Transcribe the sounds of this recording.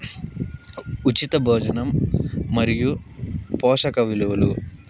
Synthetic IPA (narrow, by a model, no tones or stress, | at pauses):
ut͡ʃit̪ɐbʱoːd͡ʒɐnɐmːɐɾijupɔːʂɐkɐʋiluʋɐlṵ